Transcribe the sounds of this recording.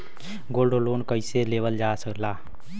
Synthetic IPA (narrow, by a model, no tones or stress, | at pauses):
ɡolɖoloːnkəɪseleʋəld͡ʒasəkla